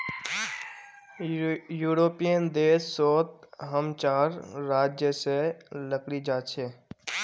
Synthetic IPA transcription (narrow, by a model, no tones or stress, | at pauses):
juːɾoːpijənd̪eːsːoːt̪̚ɦəmt͡ʃaːɾːaːd͡ʒjəseləkɽid͡ʒaːt͡ʃʰeː